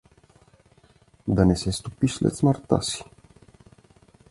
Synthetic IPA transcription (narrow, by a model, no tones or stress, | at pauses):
d̪anesest̪upiʃlḛt̪smart̪a̰si̥